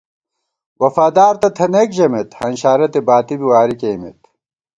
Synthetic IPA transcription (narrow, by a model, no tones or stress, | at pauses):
wɐfaːd̪aːɾt̪ɐt̪ʰɐnekʑɐmet̪hɐnɕaːɾɐt̪ebaːt̪ibiwaːɾikeːmḛt̪